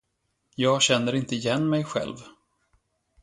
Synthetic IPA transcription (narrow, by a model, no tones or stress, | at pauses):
jɑːɡɕɛnːəɾɪnt̪əɪjɛnːmɛjɧɛ̰lv